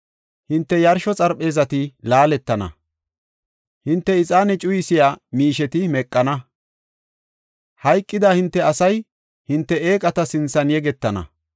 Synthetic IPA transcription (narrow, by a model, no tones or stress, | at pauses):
hɪnt̪ːɛjɐɾʃɔt͡sʼɐɾpʼːe̞ːzɐt̪ɪlaːlɛt̪ːɐnɐ̰ | hɪnt̪ːɛɪt͡sʼaːnɛt͡ʃʼʊjɪsɪjaːmiːʃɛt̪ɪmɛkʼːɐnɐ | hɐjkʼːɪd̪aːhɪnt̪ːɛɐsɐj | hɪnt̪ːɛeːkʼɐt̪ɐsɪnsɐnjɛɡɛt̪ːɐnɐ̰